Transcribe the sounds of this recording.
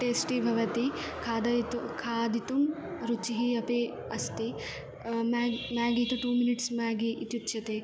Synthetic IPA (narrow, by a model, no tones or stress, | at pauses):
ʈeːsʈibʱɐʋɐt̪ikʰaːd̪ɐit̪ukʰaːd̪it̪umɾut͡ʃiɦiɐpe | ɐst̪i | maːmaːɡit̪ɐʈuːminiʈsmaːɡiʔːt̪jut̪ːʃɐt̪e